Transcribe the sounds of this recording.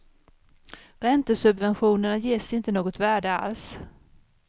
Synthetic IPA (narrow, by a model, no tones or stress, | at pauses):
ɾɛnt̪əsɵbvɛnɧuːnəɳajeːʂɪnt̪ənoːɡɔt̪væːɖəa̰ls